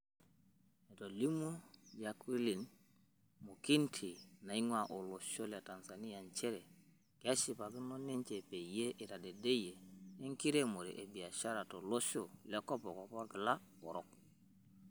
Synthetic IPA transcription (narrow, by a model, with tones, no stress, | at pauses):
e˨to˨li˦mu˦ja˨ki˦li˨n | mo˨ki˦ntʰi˨na˨i˦ŋwa˨ʔo˨lo˨so˦li˨a˨ta˨nsa˨ni˦a˨nt͡ʃe˦ɾe˨ | ke˨a˦si˨pa˨ɡi˦no˦ne˦ɲt͡ʃe˨pe˨je˦ʔi˨ta˨de˨de˦je˨e˦ŋki˦ɾe˦mo˨ɾḛ˨ʔe˨bi˨a˨ʃa˦ɾa˨to˨lo˦so˦la˦ko˦po˨ko˨po˦ɡi˨la˦o˨ɾo˦k̚